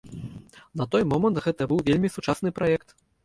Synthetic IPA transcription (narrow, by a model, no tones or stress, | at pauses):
nɐt̪ɔjmɔmɐnt̪ɣɛt̪ɐbɨwvʲelʲmʲisut͡ʂasnɨpɾajɛkt̪